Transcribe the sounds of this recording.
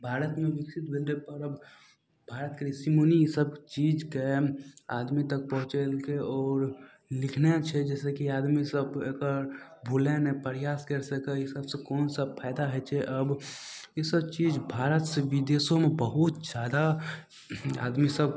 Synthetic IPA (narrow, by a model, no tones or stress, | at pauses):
bʱaːɾət̪mẽʋɪksɪt̪bɪlɾepəɾəb | bʱaːɾət̪̚keɾisimonijesəbt͡ʃiːd͡ʒkea̰ːd̪mit̪ɐk̚pɐɦʊ̃t͡ʃelkeɔːɾ | lɪkʰnet͡ʃʰɛd͡ʒɛːsekiaːd̪misəbeːkəɾ | bʱulenẽpəɾjaːskɐɾsekejesəbsekɔːnsɐbpʰaːɪd̪aɦɛt͡ʃʰɛʔɐbjesəbt͡ʃiːd͡ʒbʱaːɾət̪seʋɪd̪eːsõmẽbəɦʊt̪d͡ʒjaːd̪a | a̰ːd̪misəb